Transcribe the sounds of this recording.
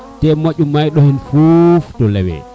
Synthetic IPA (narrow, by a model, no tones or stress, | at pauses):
tɛmaʄumːajɗɔhinfuftɔlɛwɛ̰